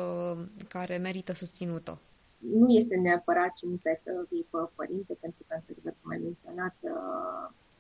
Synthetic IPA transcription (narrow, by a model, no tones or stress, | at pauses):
kaɾe̞me̞ɾit̪əsust̪sinut̪o̰ | nuje̞st̪e̞neapəɾat̪ʃiunpesəvipəpə̰ɾint̪epent̪ɾukanseɾvəɾkuma̰jme̞nt̪sio̞nat̪